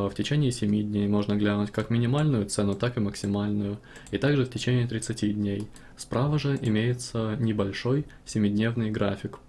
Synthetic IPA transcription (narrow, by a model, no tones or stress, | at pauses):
ftʲɪt͡ɕenʲɪːsʲɪmʲidʲnʲejmo̞ʐnəɡlʲanʊtʲkakmʲɪnʲɪmalʲnʊjʊt̪sɛnʊt̪akɨməksʲɪmalʲnʊjʊ | it̪aɡʐɨftʲɪt͡ɕenʲɪːt̪ɾʲɪt̪sɨtʲidʲnʲej | spɾavəʐɨʔɪmʲejɪt̪sənʲɪbɐlʲʂo̞j | sʲɪmʲɪdʲnʲe̞vnɨjɡɾafʲɪk